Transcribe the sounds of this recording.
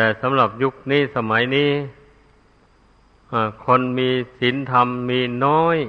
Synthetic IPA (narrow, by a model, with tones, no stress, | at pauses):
t̪ɛː˨˩sa˩˨˦mɾa˨˩p̚ju˦˥k̚niː˥˩˨sa˧ma˩˦jniː˥˨ | ʔa˧˩kʰo˧nmiː˧si˨˩˦nt̪ʰa˧mːiː˧nɔː˦˥˩j